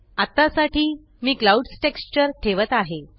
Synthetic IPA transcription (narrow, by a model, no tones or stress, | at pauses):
at̪asaʈiː | miːklauɖsʈekst͡ɕəɾʈʰeʋət̪aɦe